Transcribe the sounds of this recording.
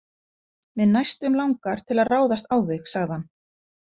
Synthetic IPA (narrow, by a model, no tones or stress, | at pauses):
mɛðnajst̪ʏmlawŋkaɾ̥t̪ʰɪlaðraːwðast̪awθɪxsaɣðɪhan